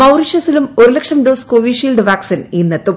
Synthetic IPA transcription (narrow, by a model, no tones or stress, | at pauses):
mɐwriʂɐsilumoɾulɐkʂɐmɖoːskoʋiʂiːlɖɨʋaːksiniːnːet̪ːu